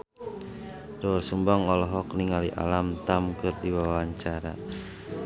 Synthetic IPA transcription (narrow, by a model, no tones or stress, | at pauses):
dɔrsumbaŋɔlɔɦɔkniŋaliʔa̰lamt̪amkɨrdiwawawaɲt͡ʃaɾa̰